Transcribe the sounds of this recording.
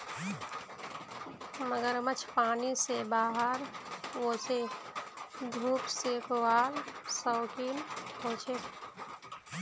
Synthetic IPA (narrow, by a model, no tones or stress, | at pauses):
məɡəɾmət͡ʃʰpaːnisebaːɦəɾwoːse | d̪ʱuːpsekowaːlsɔːkiːnkoːt͡ʃʰe